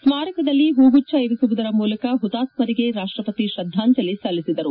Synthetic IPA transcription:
smaːɾɐkɐd̪ɐlːiɦuːɡut͡ʃːɐiɾisuʋud̪ɐɾɐmuːlɐkɐɦut̪aːsmɐɾiɡe̞ɾaːʂʈɾɐpɐt̪iʃɐd̪ʱːaːɲt͡ʃɐlisɐlːisid̪ɐɾu

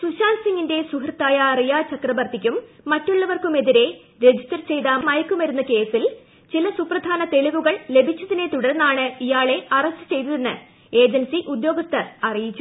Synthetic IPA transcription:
suɕaːnsiŋɡinde̞sukrɨt̪ːaːjɐːrijaːt͡ɕɐkrɐʋɐrt̪ʰikʲːumː | ɐtːuɭːɐʋɐrkume̞ðiɾe̞ | ɾe̞d͡ʑistɐrt͡ɕe̞jðaːmmɐjkːumɐɾunːɐke̞ːsil | t͡ɕilɐsuprɐd̪ʱaːnɐt̪e̞liʋuɣɐɭle̞bʱit͡ɕːɐðine̞t̪uɽɐrnːaːɳɨijaːɭe̞ɐrɐstɨ̥t͡ɕe̞jt̪ɐðenːɨ | e̞ːd͡ʑɐnsiʔud̪jo̞ːɡɐst̪ʰɐrɐrijit͡ɕːu

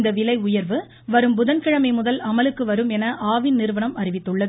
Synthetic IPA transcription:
nd̪ɐʋɪlɐɪʊjɐɾʋɯ | ʋɐɾɯmbʊðɐnkɪɻɐmɐɪmʊðɐlɐmɐlɯkːɯʋɐɾɯmɛnɐʔaːʋɪnnɪɾɯʋɐɳɐmɐɾɪʋɪt̪ːɯɭːɐðɯ

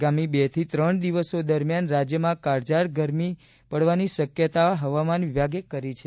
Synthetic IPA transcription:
ɡamibet̪ʰit̪ɾəɳd̪iʋəsod̪əɾmjanɾad͡ʒjəmãkaɾd͡ʒaɾɡəɾmi | pəɽʋaniʃəkjət̪aɦəʋamanʋibaɡekəɾit͡ʃʰe

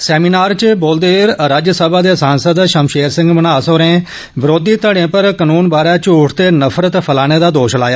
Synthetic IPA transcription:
sɛːmiːnaːɾt͡ʃboːld̪eːɾɾaːd͡ʒjəsəbaːd̪eːsaːnsəd̪ʃəmʃeːɾsɪ̃ŋɡmənaːsoːɾẽː | bɾoːd̪iːt̪əɽ̃ẽːpəɾkənuːnbaːɾaːt͡ʃʊʈʰt̪eːnəpʰɾət̪pʰəlaːɽ̃eːd̪aːd̪oːʃla̰ːjaː

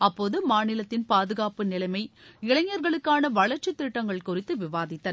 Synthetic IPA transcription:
ɐpːoːðɯmaːnɪlɐt̪ːɪnpaːðɯɣaːpɯnɪlɐmɐɪɪɭɐŋːɐɾɣɐɭɯkːaːnɐʋɐɭɐɾt͡ʃːɯt̪ːɪʈːɐŋɡɐɭkʊrɪt̪ːɯʋɪʋaːðɪt̪ːɐ

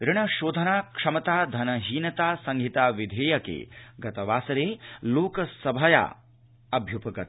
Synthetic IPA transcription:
ɾɪɳɐʃoːd̪ʱɐnaːkʂɐmɐt̪aːd̪ʱɐnɐɦiːnɐt̪aːsɐŋɡʱit̪aːʋid̪ʱeːjɐkḛːɡɐt̪ɐʋaːsɐɾeːloːkɐsɐbʱɐja̰ː | ɐbʱjupɐɡɐt̪

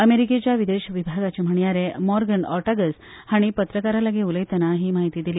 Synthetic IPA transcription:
əmeɾiket͡ɕjaʋid̪eɕəʋibʱaɡat͡ɕem̤əɳjaɾemɔɾɡənɔ̰ɾʈaɡəs | haɽ̃ipət̪ɾəkaɾalaɡeuləjt̪ənaɦiːmaɦit̪iːd̪iliː

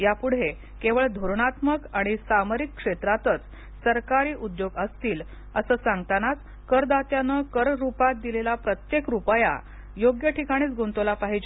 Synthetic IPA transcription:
japuɽ̤e | keʋəɭd̪ʱoɾɳ̃at̪məkaɽ̃isaməɾikːʂet̪ɾat̪ət͡s | səɾkaɾiːʔud̪joɡəst̪iːl | əsəːsaŋɡ̚t̪anat͡s | kəɾd̪at̪janəkəɾɾupat̪̚d̪ilelapɾət̪jekɾupəja̰ | joɡjəʈʰikaɽ̃iːt͡sɡʱont̪olapaɦid͡ʑ

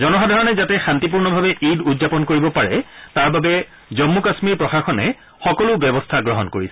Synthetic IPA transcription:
zɔnɔɦadʱaɹɔnɛzatɛxantip̬uɹnɔbʱabɛʔidudzapɔnkoɹibɔpaɹɛ̰taɹbabɛ | zɔmːukasmiɹpɹɔxaxɔnɛ̰ | xɔkɔlʊbɛbɔstʰaɡɹɔɦɔnkoɹisɛ

